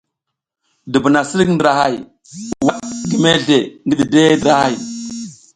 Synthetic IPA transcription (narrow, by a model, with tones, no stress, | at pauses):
di˨bu˨na˨si˦ɾkn˦dɾa˨ha˦˨j | wa˦ɡi˨me˦ɮe˨ŋɡi˦ɗi˨de˦ndɾa˦ha˦˨j